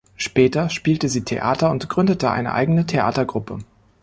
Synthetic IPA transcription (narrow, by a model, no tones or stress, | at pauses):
ʃpɛːtɐʃpiːltəziːtʰḛʔa̰ːtɐʊntɡ̥ʁʏndətəʔa̰ɪnə̰ʔa̰ɪɡənətʰeʔa̰ːtɐɡʁʊpə